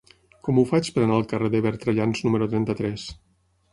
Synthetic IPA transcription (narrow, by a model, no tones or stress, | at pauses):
kɔmufat͡ʃpəɾənaəlˠkəreðeβɛɾt̪ɾəʎanznuməɾut̪ɾɛnt̪ət̪ɾɛs